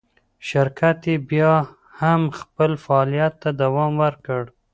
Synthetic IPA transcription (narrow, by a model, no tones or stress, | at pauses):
ʃɪɾkat̪ebjɑ | hamxpəlfaːlijat̪ːad̪awɑmwəɾkəɽ